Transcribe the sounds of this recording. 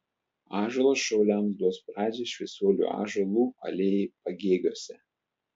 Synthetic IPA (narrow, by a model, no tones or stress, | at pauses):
ɑːʒɐlˠoːsʃɐʊlʲæˑmsd̪uɔspɾɑːd͡ʒʲeːʃʲʋʲɛɪsʲuɔlʲṵːʔɑ̰ːʒɐlˠuːɐ̰lʲeːjpɐɡʲeːɡʲoːsʲɛ